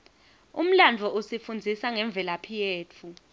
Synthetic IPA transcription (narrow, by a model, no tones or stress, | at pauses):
ṵm̩land͡vʱɔʔusifund͡zʱisaŋɛɱb̪vʱɛlapʰijeːt͡fʰu